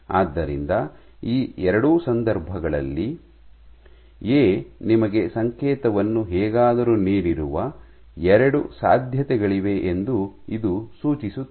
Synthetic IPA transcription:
aːd̪ːɐɾḭnd̪ɐ | iːɛɾɐɽuːsɐnd̪ɐɾbʱɐɡɐɭɐ̰lːi | eːnimɐɡe̞sɐŋkɛːt̪ɐʋɐnːuɦɛːɡaːd̪ɐɾuːniːɾiɾuʋɐ | ɛɾɐɽusa̰ːd̪ʱjɐt̪ɛɡɐɭiʋe̞ʔend̪uid̪usuːt͡ʃisuː

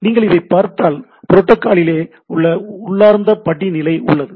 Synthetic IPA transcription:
niːŋɡɐɭɪðɐɪpːaːɾt̪aːl | pʊɾɔʈːɐkːaːɭɪleː | ʊɭːɐʊɭːaːɾnd̪ɐpɐɽinɪlɐɪʔʊ̰ɭːɐðɯ

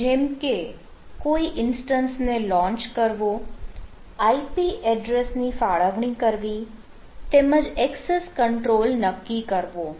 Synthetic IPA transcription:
d͡ʒemke | koiʔɪnsʈənsnelɔ̃ːɲt͡ʃkəɾʋo | aipiʔɛɖɾesnifaɭəʋɳikəɾʋi | t̪eməd͡ʒɛkseskəɳʈɾoːlnəkːikəɾʋoː

